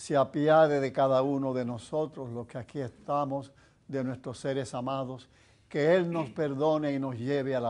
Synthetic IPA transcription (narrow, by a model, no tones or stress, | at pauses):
seapjaðeðe̞kaðaunoðe̞no̞so̞t̪ɾoslo̞skeakie̞st̪amoz | ðe̞nwe̞st̪ɾosːe̞ɾe̞samaðo̞s | keelno̞spe̞ɾðo̞neino̞sʝe̞βeala